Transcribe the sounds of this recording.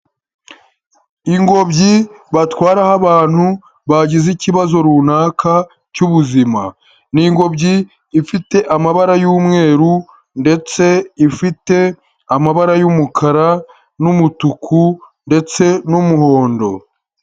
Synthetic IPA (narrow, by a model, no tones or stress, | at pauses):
iŋɡo̞bɟiβatwaːɾahaβaːn̥hu | βaɟiziciβazo̞ɾunaːkʰa | cuβuzima | niŋɡo̞bɟiː | fite̞ʔamaβaɾajuːmŋe̞ːɾu | nde̞t͡se̞ifite̞ | amaβaɾajumukʰaɾa | numutukʰu | nde̞t͡se̞numuho̞ːndo̞